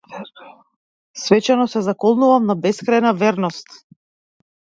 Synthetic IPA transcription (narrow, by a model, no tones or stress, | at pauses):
svɛt͡ʃanɔsɛzakɔlˠnuvamnabɛskɾajnavɛɾnɔst̪